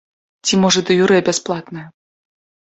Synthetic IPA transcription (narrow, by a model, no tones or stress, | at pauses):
t͡sʲimɔʐɐd̪ɨjuɾɛbʲɛsplˠat̪nɨj